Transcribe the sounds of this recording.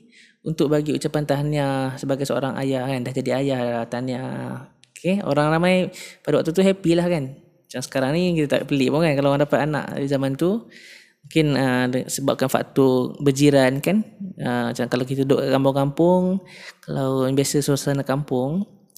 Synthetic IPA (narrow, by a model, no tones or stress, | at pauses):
unt̪ʊʔ̚baɡiut͡ʃapant̪aɦanasəbaɡajsəo̰ɾaŋa̰jahkandahd͡ʒadiajaht̪ana | kʰeo̰ɾaŋramajpadawak̚t̪ut̪̬uɦɛpilahkan | t͡ʃaŋsə̥kaɾaŋnikit̪ət̪a̰ʔpəlipuŋkankalawandapat̪̚ana̰ʔizamant̪u | mũŋkɪnəəsəba̰p̚kanfa̰ʔt̪ubəd͡ʒiɾankanət͡ʃakalawkit̪əudoʔkkampʊŋkampʊŋkalawbiasəsəasanakampʊŋ